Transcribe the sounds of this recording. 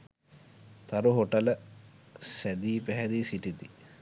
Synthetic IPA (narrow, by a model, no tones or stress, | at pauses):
t̪aɾuɦoʈələ | sæd̪iːpæɦɛd̪isiʈit̪i